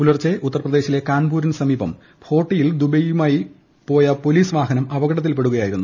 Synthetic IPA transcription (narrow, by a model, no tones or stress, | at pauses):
ulɐrt͡ɕːeʔut̪ːɐrɐprɐd̪e̞ːɕile̞kaːnbuːɾɐnsɐmiːbɐ̰m | pʰo̞ːʈːijild̪ubɐjumaːji | po̞ːjɐpo̞liːsʋaːɦɐnɐmɐʋɐɡɐɽɐt̪̬ːilpe̞ɽuɣɐjaːjiɾunːu